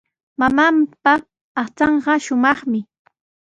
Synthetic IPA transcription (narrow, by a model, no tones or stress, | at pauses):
mamampaː | χt͡sɑɴɢɑʃʊmɑχmɪ